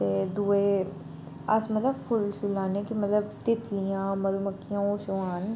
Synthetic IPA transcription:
ed̪uːe | ɐsmɐt̪ləbfʰʊlsʊlːaːnekimɐt̪ləbt̪ɪt̪lijãːmɐluməkːijãːoːʃʋaːn

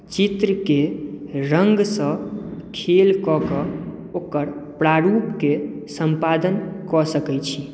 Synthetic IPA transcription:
t͡ʃit̪ɾəkeɾəŋɡsə̃kʰelkɔkɔ | okəɾpɾaɾupkesəmpad̪ənkɔsəkɛt͡ʃʰi

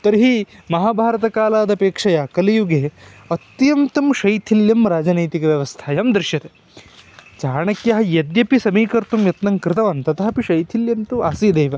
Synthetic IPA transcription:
t̪ɐɾɦimɐɦaːbʱaːɾɐt̪ɐkaːlaːd̪ɐpeːkʂɐjaːkɐlijuɡe | ɐt̪jɐmt̪ɐmʃɐjt̪ʰiljɐmɾaːd͡ʒɐnɐjt̪ikɐʋjɐʋɐst̪ʰaːjɐmd̪ɾɪʃjɐt̪e | t͡ʃaːɳɐkjɐɦɐ̆jɐd̪jɐpisɐmiːkɐɾt̪umjɐt̪nɐŋkɾɪt̪ɐʋɐnt̪ɐt̪ɐɦɐpiʃɐjt̪ʰiljɐnt̪uaːsiːd̪eːʋɐ

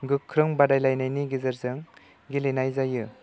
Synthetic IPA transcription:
ɡɯkʰːɾɯŋbadajlajnajniɡizɯɾzɯŋ | ɡilinajzajɯ

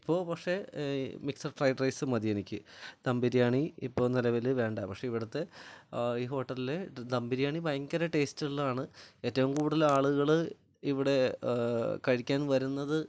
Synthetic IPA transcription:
i̥pːo̞ːpɐkʂe̞miksɐrfrɐjɖrɐjsɨmɐd̪ienikʲːɨd̪ɐmbiɾijaːɳiipːo̞ːnɐlɐʋɐlɨʋe̞ːɳɖapɐkʂe̞iʋiɽɐt̪ːe̞ | iːɦo̞ːʈːɐlile̞d̪ɐmbiɾijaːɳibɐjɐŋkɐɾɐʈe̞ːstiɭːɐaːɳɨe̞ːtːɐʋumkuːɽuðɐlaːɭuɣɐɭɨ | iʋiɽe̞ | kɐɻikʲːaːnʋɐɾunːɐðɨ

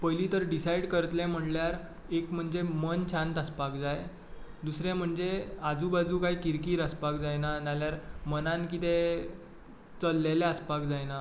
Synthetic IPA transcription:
pəjlit̪əɾɖisajɽkəɾət̪lɛ̃m̤əɽljaɾ | ekm̤əɳd͡zemənt͡ɕʰãnt̪əspakd͡zaj | d̪usɾɛ̃m̤əɳd͡zead͡zubad͡zuːkaɦiːkiɾkiːɾəspakd͡zajnanaljaɾmənãnkit̪e | t͡səlːeleəspakd͡zajna

